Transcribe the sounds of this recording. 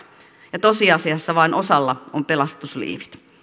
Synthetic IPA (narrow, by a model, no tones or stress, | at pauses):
jɑt̪o̞siɑsiɑsːɑʋɑinʔo̞sɑlːɑompe̞lɑst̪uslḭːʋi̥t̪